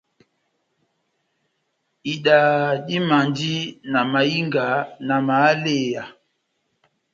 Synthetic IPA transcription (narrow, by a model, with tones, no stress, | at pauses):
i˨ɗa˨ɗi˦ma˨ndi˦na˨ma˨ji˦ŋɡa˨˦na˨ma˨˦le˦˨ja˨